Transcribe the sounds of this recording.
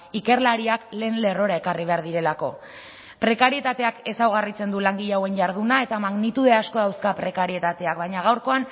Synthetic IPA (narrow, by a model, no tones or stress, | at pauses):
ike̞rlaɾiakle̞ːnle̞ro̞ɾae̞kariβ̞e̞aɾðiɾe̞lako̞̰ | pɾe̞kaɾie̞t̪at̪e̞ake̞sawɣarit͡se̞nd̪ulaŋɡiʎawe̞ɲʝaɾð̞unae̞t̪amaɣnit̪uðe̞asko̞ðawskapɾe̞kaɾie̞t̪at̪e̞ak̚bajɲaɣ̞awɾko̞an